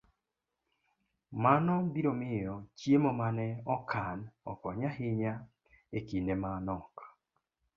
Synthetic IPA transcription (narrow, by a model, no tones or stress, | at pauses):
manɔbiɾomɪjɔt͡ʃjemɔmanɛɔkʰanɔkɔɲaɦɪɲa | ekinemanɔk